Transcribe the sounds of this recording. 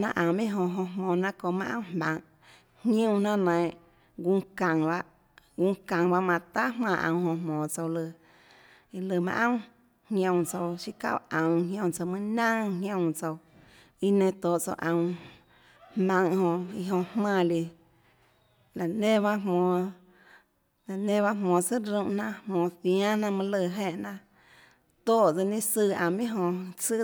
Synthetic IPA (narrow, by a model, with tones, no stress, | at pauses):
nã˧ʔã˨˧mẽ˦ɦõ˧ɦõ˧ɦmõː˧˨nã˦ko˧˨mã˦ʔã̰˦hmã̰˧ŋ | hjõ˦nã˦nã˨ʔ | ɡu˧kã˨ŋba˧ʔ | ɡu˧kã˨ŋba˧ʔmã˧t̪a˦hmãː˧˨ʔã̰˧˨w̃hõ˧hmõː˨t͡so˧wlɨ˧ | i˧lɨ˧˨mã̰˧ʔə̃˦ | hjõ˧wt͡so˧wʃi˦ka̰˦˨ʔə̃˨ɦjõ˧t͡so˧mɨ̃˦nã˦ŋɦjõ˧t͡so˧w | i˧nẽ˧˨t̪oː˨ʔt͡so̰˧ʔã˨w̃ | hmã˧ŋhõ˧ʔi˧ɦõ˧ʔhmã˧˨li˧ | la˨nẽ˦ba˦ɦõː˧˨ | la˨nẽ˦ba˦ɦmõː˧˨t͡sɨ˦ɾũ˧ʔnã˧ʔhmõː˨˧θjã˦nã˧mã˧lə˧˨ɦẽ˧ʔnã˧ | t̪oː˦˨t͡sə˧nĩ˦sɨ˧˨ã˨mĩ˦ɦõ˧t͡sɨ˦